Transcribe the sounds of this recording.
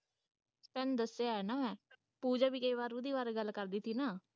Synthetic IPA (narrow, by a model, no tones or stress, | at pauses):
spɛːnd̪əsːeaɛnãːɛː | puːd͡ʒaːbiːkəiʋaːɾuːd̪iːʋaːɾɡəlːkəɾd̪iːt̪ʰiːnaː